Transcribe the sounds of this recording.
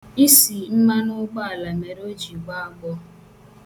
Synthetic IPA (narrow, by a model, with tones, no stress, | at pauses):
i˦si˨n̩˦ma˦nʊ˦ɡ͡ba˦a˨la˨me˨ɾo˦d͡ʒi˨ɡ͡ba˦a˦ɡ͡bɔ˦